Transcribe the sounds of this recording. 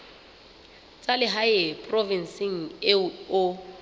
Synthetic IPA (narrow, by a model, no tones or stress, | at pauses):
t͡sʼalɪɦaɪpʼrɔvinsɪŋ̩ɪʊ